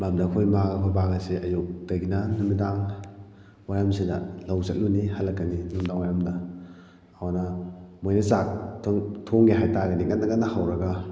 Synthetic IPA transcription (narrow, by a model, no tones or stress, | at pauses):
mamdɐkʰojmaɡɐpʰɐbaɡɐsiʔɐjuk̚d̥ɐɡinɐnumidaŋ | wajamsidɐ̰lawzɐk̚lunihalːɐkːɐninumidaŋwajamdɐː | wanɐmojnɐsak̚ʰŋtʰoŋɡiɦajtaɡɐnikɐnnɐɡɐnnɐhawɾɐɡa